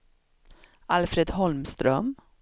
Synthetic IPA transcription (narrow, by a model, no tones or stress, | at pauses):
ʔalfɾeːd̪hɔlmst̪ɾœm